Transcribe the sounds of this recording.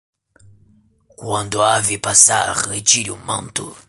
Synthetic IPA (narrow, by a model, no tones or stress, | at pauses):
kwɐ̃nd̪ʊavɪpasa̰ʁet͡ʃiɾiumɐ̰̃nt̪ʊ